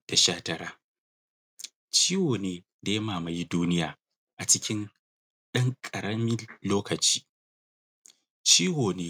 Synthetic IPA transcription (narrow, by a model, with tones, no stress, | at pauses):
d̥a˨ʃaː˦tɐ˦ɾaː˦ | t͡ʃiː˦woː˨neː˦ | da˨jɐ˦maː˨mɐ˨ji˦duː˦nɪ˦jaː˨ | ʔa˨t͡ʃɪ˦kʲʰɪ˦n | ɗɐ˦ŋkʼɐ˨ɾɐ˦mɪ˦loː˦kɐ˨t͡ʃi̥ː˦ | t͡ʃiː˦woː˨neː˦